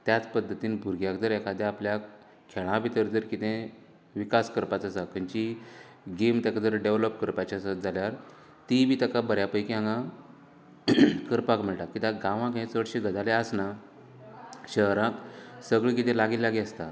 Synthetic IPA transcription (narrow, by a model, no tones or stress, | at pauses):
t̪jat͡spəd̪ʱːət̪iːnbʱuɾɡjakd͡z̪əɾɛkʰad̪jeaplja | kʰeɭ̃ãbit̪əɾd͡z̪əɾkit̪ʰẽ | ʋikaskəɾpat͡səsakʰəɲt͡ɕi | ɡemt̪akd͡zəɾɖeʋləpkəɾpat͡ɕasət̪̚d͡zaljaɾ | t̪ibiːt̪əkabəɾjapəjkiãŋɡã | kəɾpakm̤əɭʈakːit̪aɡãʋãkẽt͡səɽɕiɡʱəd̪ʱaleəsna | ɕəɦɾãksəɡɭik̬it̪ẽlaɡiːlaɡiəst̪a